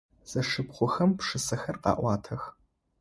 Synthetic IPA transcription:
z̥ɐʂɨpχʷʊxɐmpʂɨsɐxɐrqɑ̰ːʔʷɑːtʰɐx

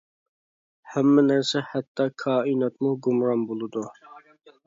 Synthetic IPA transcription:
hæmːɪnæɾsɛħæt̪ʰːɑkʰɑːinɑt̪muɡumɾɑnbolˠɨd̪u

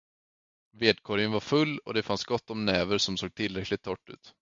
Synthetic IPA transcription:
veːd̪̚kʰoːɾjənvaɾfɵlːɔd̪ɛfansɡɔt̪ːɔmnɛːvəɾʂɔmsoːɡ̚t̪ʰɪlːɾɛklɪt̪ʰːɔʈːʉ̟̰ːt̪

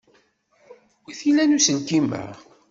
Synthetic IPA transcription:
wiθilænusənkimə̰

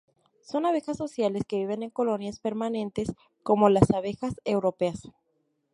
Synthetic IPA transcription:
so̞naβe̞xasːo̞sjale̞ske̞βiβe̞ne̞ŋko̞lo̞njaspe̞ɾmanẽ̞nt̪e̞s | ko̞mo̞lasaβe̞xase̞wɾo̞pe̞as

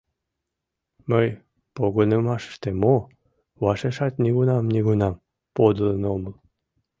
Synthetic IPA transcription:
məj | poɣonemɑʃə̥ʃt̪emo | βɑʃeʃɑt̪niɣunɑmniɣunɑm | pod̪ələnoməl

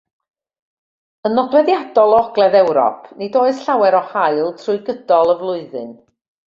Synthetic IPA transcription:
ənɔdwɛðjadɔlˠɔɔɡlˠɛðɛwɾɔ̰pʰnidoːɨð̥ɬawɛɾɔhaɨlˠtʰrʊɨɡədɔlˠəvlˠʊɨðɨ̰n

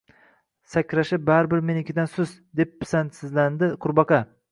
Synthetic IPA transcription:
sakʲɾaʃɪbaɾɪbɪɾme̞nɪkʲʰɪd̪ansʊzd̪ep̚ːsansɪzland̪ɪqʰʊɾbɑqʰɑ

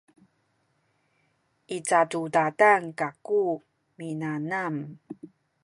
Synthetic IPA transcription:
ʔit͡satudadaŋkaku | minanam

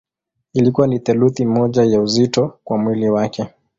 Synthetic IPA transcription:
ilikuwaniθɛluθimɔʄajauzitɔkwamwiliwakʰɛ

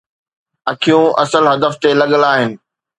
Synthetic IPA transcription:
ɐkʰijũʔɐ̰səlɦɐd̪əft̪elɐɠəlaːɦɪnɪ̆

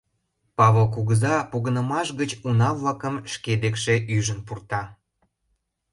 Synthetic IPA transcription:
pɑβolk̬uɣəzɑpuɣənəmɑʃɣət͡ɕunɑβlɑkəmʃked̪ekʃeʔyʒənpurt̪ɑ

